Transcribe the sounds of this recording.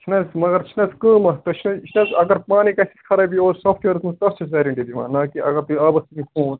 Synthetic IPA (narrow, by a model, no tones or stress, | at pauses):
t͡ʃʰinɐzmɐɡɐɾt͡ʃʰinɐskəːmɐt̪ɐt͡ʃʰinɐt͡ʃʰnɐzɐɡɐɾpaːnikɐsi̥kʰɐɾɐbioːɾsoːfʈʋeɾɨt̪mɐst̪ɐst͡ʃʰɐzɐɾiɳʈid̪ima̰ːnːɐːkiʔɐ̰ɡɐɾt̪uɐbɐsmikʰuːn